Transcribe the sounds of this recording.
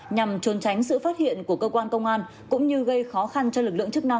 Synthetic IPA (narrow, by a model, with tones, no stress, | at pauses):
ɲa˨˩mt͡ɕu˨˩nt͡ɕa˨˦jŋ̟sɨ̰˧˨faː˦˥t̚hḭ˧˨ənku˧˩əkəː˧kwaː˧nkə˧wŋ͡mʔaː˧n | kʊ̰˧˥ŋ͡mɲɨ˧ɣə˧jxɔ˨˦xa˧nt͡ɕɔ˧lɨ˨˩k̚lɨ̰˧˨əŋt͡ɕɨ˦˥k̚na˧